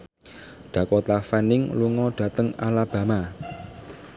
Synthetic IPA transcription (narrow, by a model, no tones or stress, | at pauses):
ɖ̪̥ä̤kot̪afanɪŋluŋɔɖ̥ä̤t̪əŋa̰lab̥a̤ma